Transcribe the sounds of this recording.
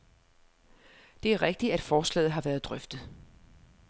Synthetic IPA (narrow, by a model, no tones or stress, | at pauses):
d̥e̝æɐʁeɡ̥̚d̥i̥æd̥fɒːslɛ̰ːð̩ˠɦɑ̈ʋæɐðˠd̥ʁœfd̥ð̩ˠ